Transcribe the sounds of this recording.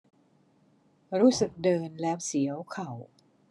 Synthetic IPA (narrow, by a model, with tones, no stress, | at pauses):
ɾuː˦˥sɯ˨˩k̚dɤː˧nlɛː˦˥wsi˨˩˦ɐwkʰa˨˩w